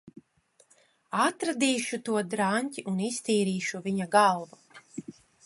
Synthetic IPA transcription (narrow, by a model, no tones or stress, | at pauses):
at̪ɾad̪iːʃut̪uɔd̪ɾanʲt̪ʲiʔunist̪iːɾiːʃuvʲiɲaɡalˠvu